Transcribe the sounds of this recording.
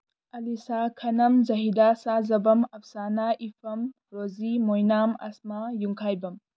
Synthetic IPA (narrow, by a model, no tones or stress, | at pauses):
ɐlisakʰɐnɐmzɐɦidasazɐbɐmɐp̚sanaʔipʰɐm | ɾozimojnamɐ̰smajuŋkʰajbɐm